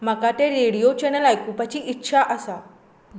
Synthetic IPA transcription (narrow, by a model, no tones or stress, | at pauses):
m̤əkat̪eɾeɽijot͡ɕɛnəlajkũpət͡ɕiʔitːɕʰaʔəsa